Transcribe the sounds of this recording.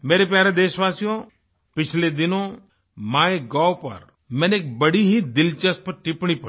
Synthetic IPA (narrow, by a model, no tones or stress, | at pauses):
meːɾep̬jaːɾed̪eːʃʋaːsijõ | pɪt͡ʃʰled̪ɪnõ | maːeɡaːopɐ̰ɾ | mɛ̃ːneeːk̚bɐɽiɦid̪ɪlt͡ʃəs̚pɐɾʈɪpɽ̃ip